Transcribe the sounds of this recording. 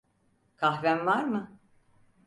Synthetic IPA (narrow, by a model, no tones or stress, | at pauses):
kʰaɦvænvaɾmɯ